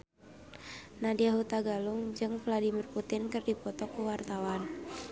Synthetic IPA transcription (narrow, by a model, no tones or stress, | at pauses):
nadiaɦut̪aɡaluŋd͡ʒɨŋvladimirput̪inkɨrdipɔt̪ɔkuwart̪awan